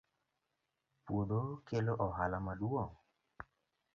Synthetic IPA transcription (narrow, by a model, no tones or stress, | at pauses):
puðokeloʔɔɦalamaduɔ